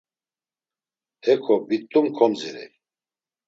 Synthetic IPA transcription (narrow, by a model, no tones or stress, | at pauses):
hɛkʰɔbit̪ʼːumkʰɔmziɾɛ̰j